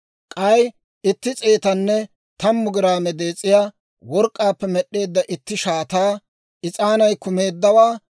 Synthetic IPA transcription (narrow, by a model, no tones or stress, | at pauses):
kʼɐj | ɪt̪ːɪt͡sʼeːt̪ɐnːɛ | t̪ɐmːʊɡɪɾaːmɛd̪e̞ːt͡sʼːɪjaː | wɔɾkʼːaːpːɛmɛɗːe̞ːd̪ːɐʔɪt̪ːɪʃaːt̪aː | ɪt͡sʼaːnɐjkʊme̞ːd̪ːɐwaː